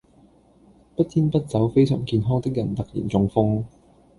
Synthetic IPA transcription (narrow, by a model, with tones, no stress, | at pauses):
pɐ˥t̚t̪ʰiː˥npɐ˥t̚t͡sɐ˨˥wfe˥jsœ̰ː˨˩ŋkiː˧nɦɔː˥ŋt̪ɪ˥k̚jɐ˨˩nt̪ɐ˨k̚jḭː˨˩nt͡sʊ˧ŋfʊ˥ŋ